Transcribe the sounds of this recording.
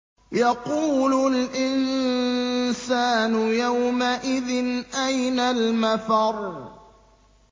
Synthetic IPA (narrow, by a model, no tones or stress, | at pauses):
jɑquːlʊlʔɪn | saːnʊjawmaʔɪðɪnʔajnalmaθɑɾˤ